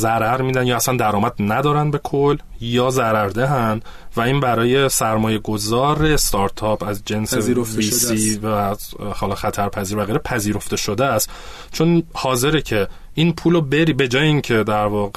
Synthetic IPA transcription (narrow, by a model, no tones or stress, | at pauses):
zæɾæɾmiːd̪ænjɒːæsænd̪æɾɒːmæd̪̚næd̪ɒːɾænbe̞kʰol | jɒːzæɾæɾd̪eɦænd̪ | væiːnbæɾɒːje̞sæɾmɒːje̞ɡo̞zɒːɾest̪ʰɒɾt̪ʰɒːpʰæzd͡ʒe̞nsevisivæhɒːlɒxæt̪ʰæɾpʰæziːɾvæɣeɾepʰæziːɾo̞ft̪e̞ʃod̪eæst̪ | t͡ʃʰo̞nhɒːze̞ɾecʰe | inpʰuːlobe̞ɾiːbe̞d͡ʒɒːjeiːŋcʰe̞d̪æɾvɒːɣ